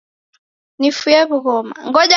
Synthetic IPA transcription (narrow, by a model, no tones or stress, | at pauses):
nifujɛβuɣɔma̰ŋɡɔʄa